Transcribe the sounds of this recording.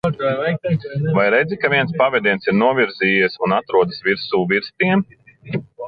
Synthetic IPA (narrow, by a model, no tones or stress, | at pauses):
vajɾɛjdzʲikaviɛnspavɛd̪iɛnsiɾnuɔvʲiɾziːjɛsunat̪ɾuɔd̪əsviɾsuːviɾst̪iɛm